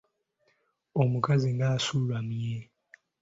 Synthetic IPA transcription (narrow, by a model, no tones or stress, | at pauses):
omukaziŋɡaːsulwamje